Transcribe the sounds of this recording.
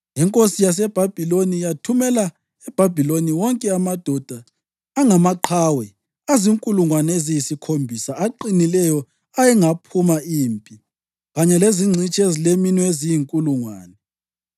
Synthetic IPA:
ɛŋkʼosijas̬ɛb̥ʱab̥ʱilonijatʰumɛla | ɛb̥ʱabʱiloniwɔŋkʼɛamad̥ʱɔd̥ʱaː | ŋamaǃʰawɛ | aziŋkʼuluŋwanezijisikʰombʱisaaǃinilɛjɔ | ajɛŋapʰumaiːmpʼi | ɣaɲɛleziŋ͡ǀʱit͡ʃʼezileminwezijiŋkʼuluŋwaːnɛ

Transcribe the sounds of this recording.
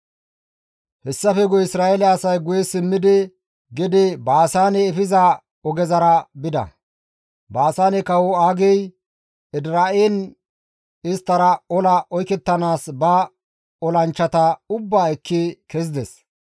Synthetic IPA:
hɛsːɐfɛɡʊɪsɾaːɛlɛːsɐjɡʊjɛsɪmːɪd̪ɪ | ɡɪd̪ɪbaːsaːnɛːfɪza | ɔɡɛzɐɾɐbɪd̪ɐ̰ | baːsaːnɛkɐwɔaːɡɛj | ɪd̪ɾaːen | ɪst̪ːɐɾɐɔlɐʔɔjkɛt̪ːɐnaːsbɐ | ɔlɐnt͡ʃːɐt̪ɐʊbːaːɛkːɪkɛz̬ɪd̪ɛs

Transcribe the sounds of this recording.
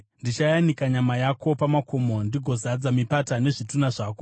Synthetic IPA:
ndit͡ʃajanikaɲamajako̞pamakʰo̞mondiɡʱo̞zad͡zamipatane̞ʐitunaʐaːko

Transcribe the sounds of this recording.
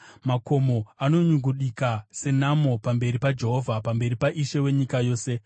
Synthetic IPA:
mako̞mo̞ano̞ɲuɡuɗikase̞namopambe̞ɾipad͡ʒeɦo̞vʱapambe̞ɾipaʔiʃewe̞ɲikajo̞ːse̞

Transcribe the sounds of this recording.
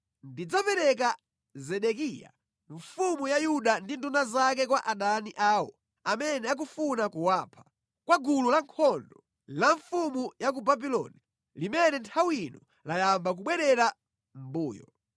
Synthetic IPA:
ndid͡zɔpɛɾɛk̬a | zɛɗɛkija̰ | ɱfumujajuɗandindunazak̬ɛkwaʔaɗaniʔaːwɔ | amɛnɛak̬ufunakuwaːpʰḁ | kwaɡululaŋkʰɔndɔ | laɱfumujak̬ubabilɔ̰ni | limɛnɛntʰawinɔ | lajambak̬uɓwɛɾɛɾa | m̩buːjɔ̰

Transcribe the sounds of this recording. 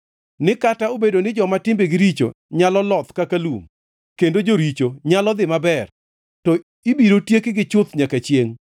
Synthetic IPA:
nɪkataobedonɪd͡ʒɔmatɪmbeɡɪɾit͡ʃo̰ɲalɔlɔt̪kakalum | kendod͡ʒoɾit͡ʃoɲalɔd̪ɪmabɛr | tɔ | ibiɾotjekɪɡɪt͡ʃʊt̪ɲakat͡ʃjeŋ

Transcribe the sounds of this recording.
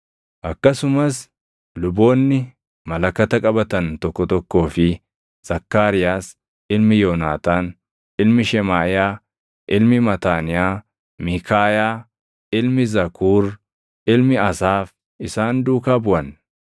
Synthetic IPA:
ʔɐkːɐsʊmɐs | lʊbo̞ːnːɪ | mɐlɐkːɐt̪ɐkʼɐbɐt̪ɐnt̪ɔkːɔt̪ɔkːo̞ːfɪ | z̥ɐkːaːɾɪjaːs | ʔɪlmɪjoːnaːt̪aːn | ʔɪlmɪʃɛmaːɪjaː | ʔɪlmɪmɐt̪aːnɪjaː | mikaːjaː | ʔɪlmɪzɐkʰuːɾ | ʔɪlmɪɐsaːf | ɪsaːnd̪uːkaːbʊʔɐn

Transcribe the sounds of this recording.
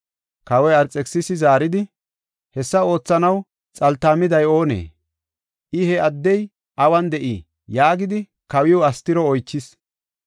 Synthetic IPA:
kɐwɔjɐɾt͡sʼːɛksɪsɪzaːɾɪd̪ɪ | hɛsːɐo̞ːt͡sːɐnɐw | t͡sʼɐlt̪ːaːmɪd̪ɐjo̞ːnḛː | ʔɪhɛɐd̪ːɛj | ʔɐwɐnd̪ɛʔi | jaːɡɪd̪ɪ | kɐwɪwɐst̪ːɪɾɔɔjt͡ʃːɪs

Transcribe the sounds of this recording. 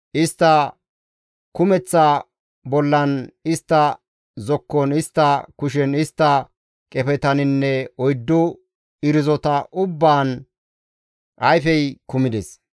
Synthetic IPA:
ʔɪst̪ːɐ | kʊmɛt͡sːɐ | bɔlːɐnɪst̪ːɐ | zɔkːɔnɪst̪ːɐkʊʃɛnɪst̪ːɐ | kʼɛfɛt̪ɐnɪnːɛɔjd̪ːɔ | ɪɾɪzɔt̪ɐʔʊbːaːn | ʔɐjfɛjkʊmɪd̪ɛs

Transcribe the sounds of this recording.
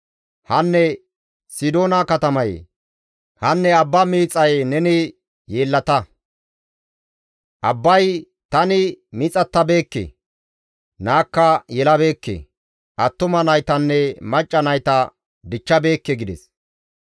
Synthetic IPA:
hɐnːɛ | sɪd̪oːnɐkɐt̪ɐmɐj̰ | hɐnːɛɐbːɐmiːt͡sʼɐjnɛnɪ | jeːlːɐt̪ɐ | ʔɐbːɐj | t̪ɐnɪmɪt͡sʼɐt̪ːɐbe̞ːkːḛ | naːkːɐjɛlɐbe̞ːkːḛ | ʔɐt̪ːʊmɐnɐjt̪ɐnːɛmɐt͡ʃʼːɐnɐjt̪ɐ | d̪ɪt͡ʃːɐbe̞ːkːɛɡɪd̪ɛs

